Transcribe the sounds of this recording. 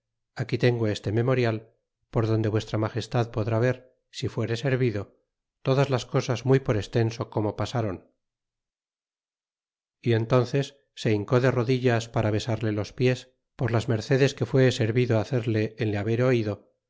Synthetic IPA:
akit̪e̞ŋɡo̞e̞st̪e̞me̞mo̞ɾjal | po̞ɾðo̞nd̪e̞βwe̞st̪ɾamaχe̞st̪aðpo̞ðɾaβ̞e̞ɾ | sifwe̞ɾe̞se̞ɾβiðo̞ | t̪o̞ðazlasko̞sazmujpo̞ɾe̞st̪e̞nso̞ko̞mo̞pasaɾo̞n | ient̪o̞nθe̞sː | e̞iŋko̞ðe̞ro̞ðiʎaspaɾaβe̞saɾle̞lo̞spje̞s | po̞ɾlazme̞ɾθe̞ðe̞ske̞fwe̞se̞ɾβiðoaθe̞ɾle̞ːnleaβe̞ɾo̞iðo̞

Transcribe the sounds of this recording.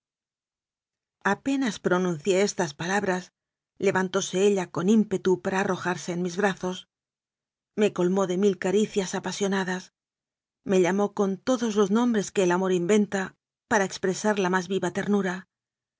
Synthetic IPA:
ape̞naspɾo̞nũnθje̞est̪aspalaβɾas | le̞βant̪o̞se̞eʎako̞nimpe̞t̪upaɾaːro̞xaɾse̞ːnmizβɾaθo̞s | me̞ko̞lmo̞ðe̞milkaɾiθjasapasjo̞naðas | me̞ʎamo̞ko̞nt̪o̞ðo̞zlo̞znõ̞mbɾe̞ske̞ːlamo̞ɾimbe̞nt̪a | paɾaekspɾe̞saɾlamazβiβat̪e̞ɾnuɾa

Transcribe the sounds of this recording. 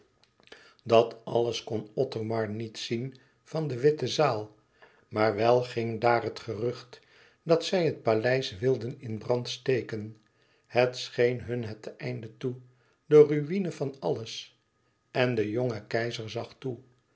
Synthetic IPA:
dɑtɑləskɔnɔtomɑɹnitsin | vɑndəʋɪtəzaːlˠ | maːɹʋɛlˠχɪŋdaːɹɦətχərʏχt | dɑtsɛjɦət̚palɛjsʋɪlˠdənɪnbrɑntstejkən | hətsχejnɦɵnɦətɛjndətu | dəryinəvɑnɑləs | ɛndəjoŋəkɛjzəɹzɑχtu

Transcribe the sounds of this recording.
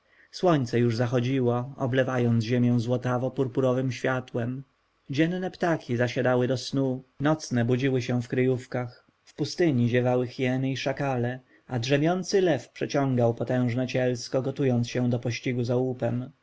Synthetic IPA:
swɔɲt̪sɛjuʐzaxɔd͡ʑiwɔɔ̰blɛvajɔnt̪zʑemʲjɛ̃w̃zwɔt̪avɔpuɾpuɾɔvɘmɕfʲjat̪wɛm | d͡ʑɛnnɛpt̪akʲizaɕad̪awɘd̪ɔsnunɔt̪snɛbud͡ʑiwɘɕɛ̃fkɾɘjufkax | fpust̪ɘɲiʑɛvawɘxjɛnɘiʂakalɛ | adʐɛmʲjɔnt̪sɘlɛfpʂɛt͡ɕɔ̃ŋɡawpɔt̪ɛ̃w̃ʐnɛt͡ɕɛlskɔɡɔt̪ujɔnt̪sɕɛ̃d̪ɔpɔɕt͡ɕiɡuzaupɛm

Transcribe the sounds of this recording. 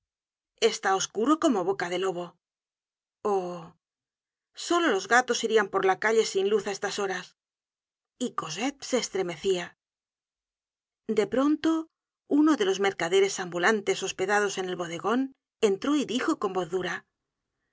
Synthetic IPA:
e̞st̪ao̞skuɾo̞ko̞mo̞βo̞kaðe̞lo̞β̞o̞ | o | so̞lo̞lo̞zɣat̪o̞siɾiampo̞ɾlakaʎe̞sinluθae̞st̪aso̞ɾas | iko̞se̞t̪̚se̞ːst̪ɾe̞me̞θia | d̪e̞pɾo̞nt̪o̞ | uno̞ðe̞lo̞zme̞ɾkaðe̞ɾe̞sambulant̪e̞so̞spe̞ðað̞o̞se̞ne̞lβo̞ðe̞ɣo̞n | e̞nt̪ɾo̞iðixo̞ko̞mbo̞θðuɾa

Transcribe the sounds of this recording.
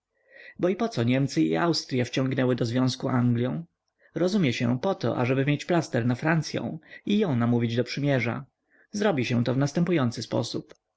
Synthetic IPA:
bɔipɔt̪sɔɲɛmt̪sɘḭawst̪ɾʲjaft͡ɕɔ̃ŋɡnɛwɘd̪ɔzvʲjɔ̃w̃skuʔaŋɡlʲjɔ̃w̃ | ɾɔzumʲjɛɕɛ̰̃pɔt̪ɔ̰ʔa̰ʐɛbɘmʲjet͡ɕplast̪ɛɾnafɾant̪sʲjɔ̰̃w̃ijɔ̃w̃namuvʲid͡ʑd̪ɔpʂɘmʲjɛʐa̰ | zɾɔbʲiɕɛ̃t̪ɔvnast̪ɛmpujɔnt̪sɘspɔ̰sup

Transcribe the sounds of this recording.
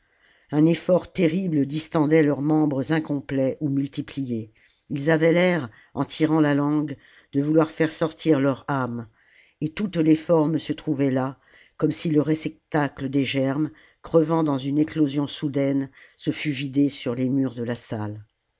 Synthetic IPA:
ɛ̃nefɔʁt̪eʁibləd̪ist̪ɑ̃d̪ɛlœʁmɑ̃bʁəzɛ̃kɔ̃plɛʔumylt̪iplije | ilzavɛlɛʁ | ɑ̃t̪ʰiʁɑ̃lalɑ̃ɡ | d̪əvulwaʁfɛʁsɔʁt̪iʁlœʁam | et̪ut̪lefɔʁmsət̪χuvɛla | kɔmsiləʁɛsɛk̚t̪akləd̪eʒɛʁm | kχəvɑ̃d̪ɑ̃zynɛklozjɔ̃sud̪ɛnsəfyvid̪esyʁlemyʁd̪əlasal

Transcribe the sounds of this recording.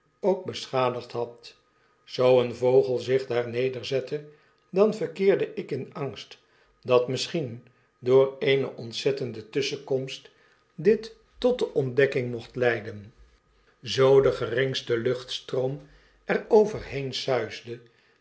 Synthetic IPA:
owk̚bəsχaːdəχtɦɑt | z̥owənvowχəlˠzɪχdaːɹnejdəɹzɛtʰə | dɑnvəʁkɪːɹdəʔɪkɪnɑŋst | dɑtmɪsχin | dʊːrejnə̰ʔɔntsɛtəndətʏsəkɔmst | dɪtː | ɔt̚dəʔɔndɛkɪŋmɔχtlɛjdən | zowdəχərɪŋstəlɵχtstroʊm | ɛrowvərhejnsœɥzdə

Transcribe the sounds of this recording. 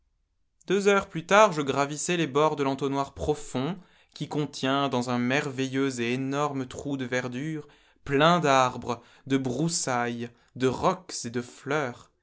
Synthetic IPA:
d̪̥øzœʁplyt̪aʁʒəɡʁavisɛlebɔʁd̪əlɑ̃t̪onwaʁpχɔfɔ̃ | kʲikɔ̃t̪jɛ̃d̪ɑ̃zɛ̃mɛʁvɛjøzeːnɔʁmət̪χud̪əvɛʁd̪yʁ | plɛ̃d̪aʁbʁə | d̪əbʁusaj | d̪əʁɔkz̥ed̪əflœːʁ

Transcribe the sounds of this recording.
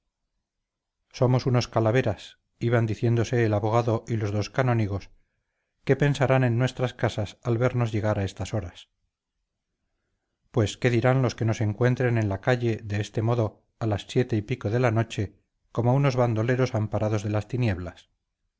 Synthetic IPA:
so̞mo̞suno̞skalaβ̞e̞ɾas | iβand̪iθje̞nd̪ose̞ːlaβo̞ɣ̞aðo̞ʔilo̞zðo̞skano̞niɣ̞o̞s | ke̞pe̞nsaɾane̞nːwe̞st̪ɾaskasasalβe̞ɾno̞zʝe̞ɣ̞aɾaest̪aso̞ɾas | pwe̞ske̞ðiɾanlo̞ske̞no̞se̞ŋkwe̞nt̪ɾe̞ne̞nlakaʎe̞ðe̞est̪e̞mo̞ðo̞ | alasːje̞t̪e̞ipiko̞ðe̞lano̞t͡ʃe̞ | ko̞mo̞uno̞zβand̪o̞le̞ɾo̞sampaɾað̞o̞zðe̞last̪inje̞βlas

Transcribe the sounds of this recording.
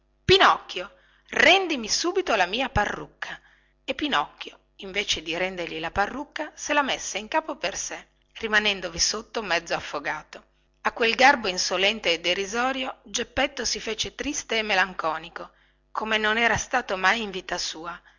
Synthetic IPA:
pinɔkːjo | rɛnd̪imisuːbit̪olamiːaparːukʰːa | epːinɔkːjo | iɱveːt͡ʃed̪iɾɛnd̪erʎilaparːukːaselamesːeiŋkaːpoperse | rimanɛnd̪ovisot̪ːomɛd̪zːoafːoɡaːt̪o | akːwelɡarboinsolɛnt̪eːd̪ːerizɔːɾjod͡ʒepːet̪ːosifeːt͡ʃet̪ɾist̪eːmːelaŋkɔːniko | kʰomenonɛːɾast̪aːt̪omajiɱviːt̪asuːa

